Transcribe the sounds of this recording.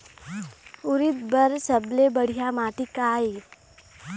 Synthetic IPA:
ʊɾɪt̪̚bəɾsəblebəɽ̤ijamaːʈ̪ikaːi

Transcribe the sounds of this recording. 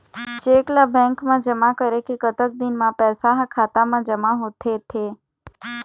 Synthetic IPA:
t͡ʃeklabɛ̃ŋkmãd͡ʒəmakəɾekekət̪ək̚d̪inmãpɛːsaɦakʰat̪amãd͡ʒəmaɦot̪ʰet̪ʰe

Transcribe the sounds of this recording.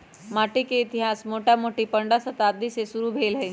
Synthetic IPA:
maʈikeit̪iɦasmoʈʰjamoʈiːpəɳɖasət̪aːd̪isesuɾuːbʱelɦe

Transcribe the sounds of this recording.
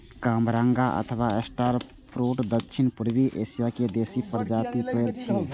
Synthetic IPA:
kamɾaŋɡaʔə̰t̪ʰəbaesʈaɾ | pʰɾoʈd̪əkːt͡ʃʰinpuɾbiʔesijaked̪esipəɾd͡ʒat̪ipeɾt͡ʃʰi

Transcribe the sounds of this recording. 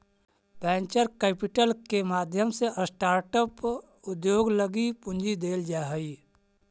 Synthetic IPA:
bɛ̃ːnt͡ʃəɾkɛːpɪʈəlkemaːd̪ʱjəmseʔəsʈaːɾʈəp | ʊd̪joːɡləɡipʊ̃ɲd͡ʒid̪eːld͡ʒaːɦəi

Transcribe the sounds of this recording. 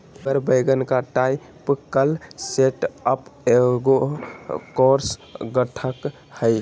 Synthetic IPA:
bəɾbəjɡənkaʈaj | pkəlseʈəpeɡo | koɾsɡəʈʰək | həj

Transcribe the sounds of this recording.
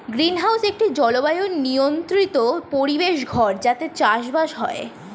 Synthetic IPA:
ɡɾinɦawsek̚ʈid͡ʑɔlobajonniont̪ɾit̪opoɾibeʃɡʱɔɾd͡ʑat̪et͡ɕaʃbaʃɦɔe

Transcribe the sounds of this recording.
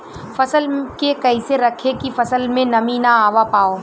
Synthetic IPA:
fɐsəlkekɐɪseɾɐkʰekifɐsəlmẽnɐminaaːʋapaːoː

